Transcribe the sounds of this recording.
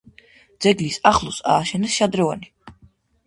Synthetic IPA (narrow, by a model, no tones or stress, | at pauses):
d̪z̥ɛɡlisaχlˠusa̰ːʃɛnɛsʃad̪ɾɔva̰ni